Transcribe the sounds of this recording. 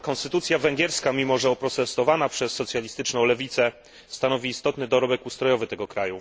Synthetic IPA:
kɔ̃nst̪ɘt̪ut̪sʲjavɛŋɡʲjɛɾskamʲimɔʐɛɔpɾɔt̪ɛst̪ɔvanapʂɛsːɔt̪sʲjalʲist̪ɘt͡ʂnɔ̃w̃lɛvʲit̪sɛ | st̪anɔvʲiːst̪ɔt̪nɘd̪ɔɾɔbɛkust̪ɾɔjɔvɘt̪ɛɡɔkɾaju

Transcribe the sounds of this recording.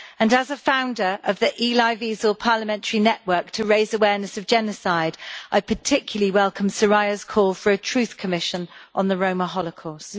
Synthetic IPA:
ə̃nəzəfãʊ̃ndəɹʔəvðiʔiːlaɪviːzəlˠpʰɑːləmɛ̃ntəɹinɛʔwɜˑ˞k̚tʰəɹeɪzəwɛːnəsəvd͡ʒɛnəsaɪdʔaɪpʰətʰɪkʰjəl̩əliwɛlˠkʰə̃msəɹaɪəz̥kʰɔːlˠfəɹətʰɹ̥ʉˑθkʰəmɪʃə̃nʔə̃nðəɹə̃ʊ̃məɦɒləkʰɔˑs

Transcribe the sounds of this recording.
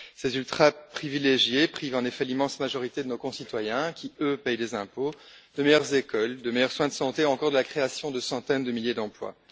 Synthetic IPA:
sezylt̪χapχivileʒjepχivɑ̃nefɛlimɑ̃smaʒɔʁit̪ed̪ənokɔ̃sit̪wajɛ̃kʲiøpɛjd̪ezɛ̃po | d̪əmejœʁzekʰɔld̪əmejœʁswɛ̃d̪əsɑ̃t̪euɑ̃kɔʁd̪əlakχeasjɔ̃d̪əsɑ̃t̪ɛnd̪əmiljed̪ɑ̃plwa̰

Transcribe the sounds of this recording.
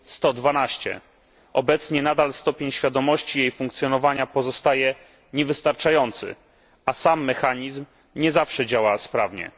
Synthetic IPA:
st̪ɔd̪vanaɕt͡ɕɛ̰ | ɔbɛt̪sɲɛnad̪alst̪ɔpʲeɲɕfʲjad̪ɔmɔɕt͡ɕijejfuŋkt̪sʲjɔnɔvaɲapɔzɔst̪ajɛ | ɲɛvɘst̪aɾt͡ʂajɔnt̪sɘ̰ | asamːɛxaɲizm | ɲɛzafʂɛd͡ʑawaspɾavɲɛ̰

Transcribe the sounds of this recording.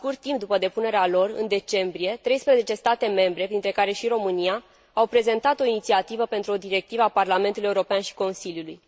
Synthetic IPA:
kurt̪ːimp̚d̪upəd̪e̞pune̞ɾealo̞rɨ̰nd̪e̞t͡ʃe̞mbɾije̞t̪ɾe̞jspɾezet͡ʃe̞st̪at̪e̞me̞mbɾe̞pɾint̪ɾe̞kaɾe̞ʃiɾo̞mɨnia | awpɾe̞ze̞nt̪at̪o̞init̪siat̪ivəpe̞nt̪ɾuo̞d̪iɾe̞k̚t̪ivəaparlame̞nt̪ulujeuɾo̞peanʃi̥ko̞nsiljuluj

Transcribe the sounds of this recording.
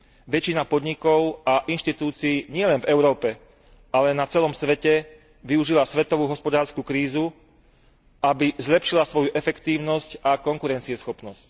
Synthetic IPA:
ʋɛt͡ʃinapɔd̪ɲikɔʊaʔinʃt̪it̪uːt͡siːɲɪɛlɛnvɛʊɾɔːpɛ | alɛnat͡sɛlɔmsʋɛcɛ | ʋiuʒilasʋɛt̪ɔʋuːɦɔspɔd̪aːɾskukɾiːzu | abizlɛpʃilasʋɔjuʔɛfɛkt̪iːʊnɔscakɔŋkuɾɛnt͡siɛsxɔpnɔsc

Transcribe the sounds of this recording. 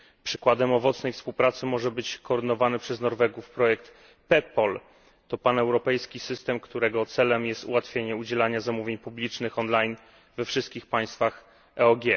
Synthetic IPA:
pʂɘ̥kwad̪ɛmɔvɔt̪snɛjfspuwpɾat̪sɘmɔʐɛbɘt͡ɕkɔːɾd̪ɘnɔvanɘpʂɛznɔɾvɛɡufpɾɔjɛkt̪ | pɛpɔl | t̪ɔpanɛwɾɔpɛjskʲisɘst̪ɛmkt̪uɾɛɡɔt̪sɛlɛmjɛst̪ṵwat̪fʲjeɲɛud͡ʑɛlaɲazamuvʲjeɲpublʲit͡ʂnɘxɔnlajn | vɛfʂɘst̪kʲixpaj̃st̪fax | ɛɔɡʲjɛ

